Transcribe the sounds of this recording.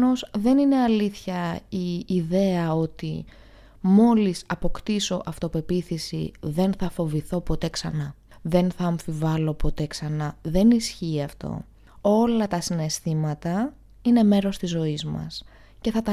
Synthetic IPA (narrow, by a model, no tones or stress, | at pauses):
o̞sðe̞nine̞ɐliθçɐiːðe̞ɐo̞t̪i | mo̞lisɐpo̞kt̪iso̞ʔɐft̪opepiθisḭðe̞nθɐfo̞viθo̞po̞t̪e̞ksɐnɐ | ðe̞nθɐːɱfivɐlo̞po̞t̪e̞ksɐnɐðe̞nisçiːɐft̪o̞̰ | o̞lɐt̪ɐsine̞st̪imɐt̪ɐ | ine̞me̞ɾo̞st̪izːo̞izmɐ̰s | ce̞θɐt̪ɐ